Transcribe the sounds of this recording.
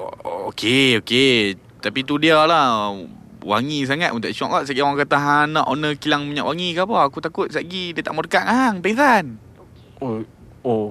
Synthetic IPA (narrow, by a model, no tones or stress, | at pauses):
ookʰeoke | t̪apit̪udiala | wa̰ŋis̬aŋat̪̚unt̪aʔʃɔʔkɔʔsaʔɡiwaŋkat̪aɦanɔʔonəkilaŋmaɲaʔwaŋikapɔakut̪akʊt̪̚saʔɡidiət̪aʔmərkaʔŋaɦaŋpatan | o